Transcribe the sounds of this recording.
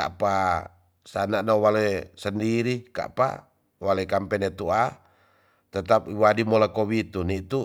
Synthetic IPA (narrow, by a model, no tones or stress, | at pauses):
a̰pa | sanaʔnawalesəndiɾika̰ʔpa̰ | walaikampɛnɛt̪ua | t̪ət̪ap̚iwadimɔlakɔwit̪unit̪u